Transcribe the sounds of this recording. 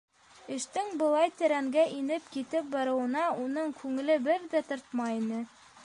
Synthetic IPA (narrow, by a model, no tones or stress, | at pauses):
ɘ̆ʃt̪ɘŋbɤ̆lˠɑjt̪ɘ̆ɾæŋɡæʔinɘpkit̪ɘp̚bɑɾɤ̆wɤ̆nɑunɤɴkʰʉŋɘ̆lɘbɘɾðæt̪ŏɾt̪mɑjinɘ